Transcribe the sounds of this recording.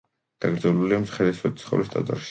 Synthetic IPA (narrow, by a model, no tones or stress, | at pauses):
d̪̥aɡɾd̪zɛluliamsχɛd̪ɛswɛd̪it̪sʰχɛ̰vlist̪ʼa̰t̪ʼa̰ɾʃi̥